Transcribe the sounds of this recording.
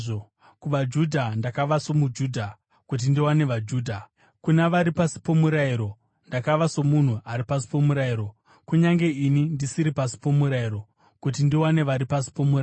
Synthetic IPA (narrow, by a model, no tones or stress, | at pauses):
kuʋad͡ʒudʱandakaʋaso̞mud͡ʒuːdʱa | kut̬indiwane̞ʋad͡ʒuːdʱa | kunaʋaɾipasi̥po̞muɾaiɾo̞ | ndakaʋaso̞mun̤uaɾipasi̥po̞muɾaiɾo̞ | kuɲaŋɡe̞inindisiɾipasi̥po̞muɾaiɾo̞ | kut̬indiwane̞ʋaɾipasi̥po̞mura